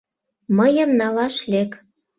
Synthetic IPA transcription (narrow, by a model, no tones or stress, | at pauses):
məjə̆mnɑlɑʃlek